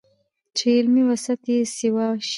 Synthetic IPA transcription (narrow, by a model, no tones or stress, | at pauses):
t͡ʃelmiwasat̪esɪwɑʃ